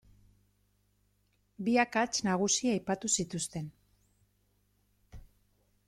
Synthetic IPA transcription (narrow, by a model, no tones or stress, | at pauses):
biakat͡snaɣ̞usiaːjpat̪usit̪ust̪e̞n